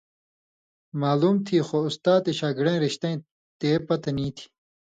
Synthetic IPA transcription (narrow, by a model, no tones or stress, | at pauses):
maːluːmt̪ʰiːxoust̪aːt̪iɕaːɡɽẽɾiɕt̪ɐ̃j̃ | t̪eːpɐt̪ɐnĩːt̪ʰi̥